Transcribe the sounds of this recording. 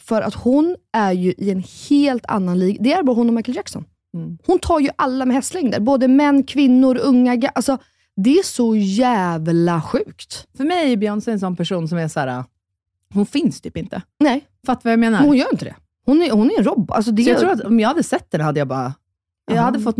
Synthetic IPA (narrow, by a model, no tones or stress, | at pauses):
fœɾʔa̰t̪hʊnæɾjɵʔɪɛnheːlt̪ʰa̰nːanliːɡd̪ɛæɾbɑːhʊnːɔmajkəld͡ʒaksɔ̰n | hʊnt̪ʰɑːɾjɵʔalːamɛhɛst̪lɛŋd̪ə̰ɾboːd̪əmɛnːkʰvɪnːʊɾɵŋːaɡaʔalsɔ | d̪ɛæʂɔjæːvlaɧʉ̟ːkt̪fœɾmɛjæjɵbjœɳsɛns̬ɔnpʰæʂuːnsɔmæʂæːɾa̰ | hʊnfɪnst̪ʰyːpɪnt̪ənɛ | fat̪ːavajameːnaɾmɛhʊnjœːɾɪnt̪əd̪ɛ̰ | hʊnæhʊnæɾɛnɾɔbːʊʔa̰ls̬ɔd̪ɛt̪ɾuːɾat̪ɔmjɑːhad̪ːəsɛt̪ːɛnhad̪ːəjabɑ̰ːɾa̰ | jahad̪ːəfɔt̪ː